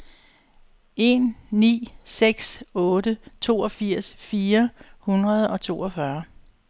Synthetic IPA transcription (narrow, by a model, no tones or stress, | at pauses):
e̝nːḭːseɡ̥sɔ̽ːɾət͡sʰo̝ːɒ̽fiɐ̰sfiːɐhunʁɐð̞ˠɒ̽t͡sʰo̝̰ːɒfɶɐ